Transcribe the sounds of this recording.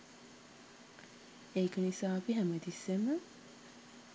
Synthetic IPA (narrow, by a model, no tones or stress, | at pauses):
eːkɐnisaːbiɦæmɐd̪isːemə